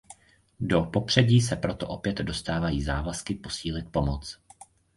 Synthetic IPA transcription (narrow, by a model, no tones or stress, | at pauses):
do̞po̞pr̝̥ɛɟiːs̬ɛpɾo̞t̪o̞ʔo̞pjɛd̪do̞st̪aːvajiːzaːvaskɪpo̞siːlɪt̪̚po̞mot͡s